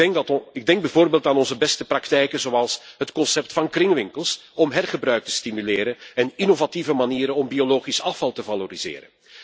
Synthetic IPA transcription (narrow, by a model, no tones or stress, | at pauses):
ɛŋɪɡ̚dɛŋɡ̚bɛvoːrbeːlˠtaːnɔnzəbɛstəprɑktɛjkənzoɑlˠsɦətkɔnsɛp̚tfɑnkrɪŋʋɪŋkəlˠsɔmɦɛrχəbrœɥk̚tə̥stimylɪːɾənɛninovativəmaniːɾənɔmbioloːχisɑfɑlˠtəvaloɾiz̥ɪ̰ːɾə̰n